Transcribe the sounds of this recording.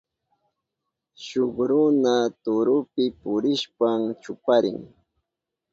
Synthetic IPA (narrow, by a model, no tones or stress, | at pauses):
ʃoχɾʊnat̪ʊɾʊpɪpʊɾɪʃpamt͡ʃʊpaɾɪ̰ŋ